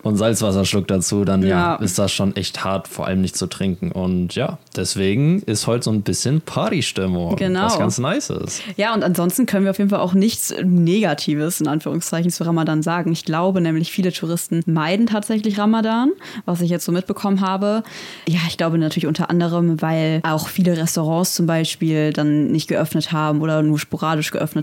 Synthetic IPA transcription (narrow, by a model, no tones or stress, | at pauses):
ʔʊntz̥alt͡sv̥asɐʃlʊk̚d̥at͡suːdanjaːaːʔɪ̰std̥asʃoːnʔɛ̰çtha̰ɐtfoːɐʔa̰ləmnɪçtt͡sutʁ̥ɪŋkŋ̩ʔʊntjaːd̥ɛsv̥eːɡŋ̩ɪsthɔʏtz̥oːnbɪsçənpʰaːtiʃtɪmʊŋɡ̥ənaʊsɡansnaɪsɪ̰stjaːʊntantzɔnstn̩kʰœnənviːɐaʊfeːdn̩falʔaʊxnɪçt͡sneːɡatʰiːvəsɪnʔanfyːʁʊŋst͡saɪçn̩t͡suʁamadaːnzaːɡŋ̩ɪçɡ̥laʊbənɛːmlɪçfiːlətʰuʁɪstn̩maɪdn̩tʰaːtz̥ɛçlɪçʁamadaːn | vas̬ɪçjɛt͡stz̥oːmɪt̚b̥əkʰɔmənɦaːbə | jaːɪçɡ̥laʊbənatʰyːɐlɪçʔʊntɐʔa̰ndəʁ̞əmvaɪlʔaʊxfiːləʁɛstoʁ̞ɑ̃ːst͡sʊmbaɪʃpiːld̥anːɪçtɡ̥əʔœfnəthaːbm̩ʔoːdɐnuːɐʃpoʁaːdɪʃɡ̥əʔœfnət